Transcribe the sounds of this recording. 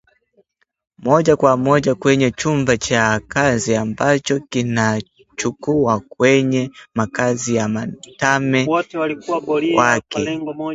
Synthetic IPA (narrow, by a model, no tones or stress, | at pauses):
mɔʄakwamɔʄakwɛɲɛt͡ʃumbat͡ʃakaziambat͡ʃɔkina | t͡ʃukuak̚wɛɲɛmakazijamatamɛwɔtliwakɛ